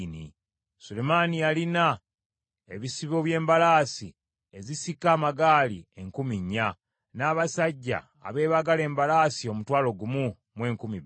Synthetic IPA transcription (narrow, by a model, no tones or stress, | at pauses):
nḭ | sulemanijalina | eβisiβo̞ːβje̞ːmbalaːsi | e̞zisikːaːmaɡaːlḭe̞ŋkumiɲːa | naːβasaɟːa̰ːβe̞ːβaɡale̞ːmbalaːsio̞mutwaːlo̞ɡumu | mwe̞ːŋkumi